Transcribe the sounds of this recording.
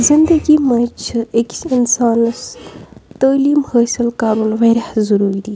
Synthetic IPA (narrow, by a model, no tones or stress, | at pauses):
zɪnd̪ɐɡimɐt͡ʃekɪnsaːnɐst̪əːliːmhəːsilkaːɾunʋeɾɐhzɐɾuːɾid̪i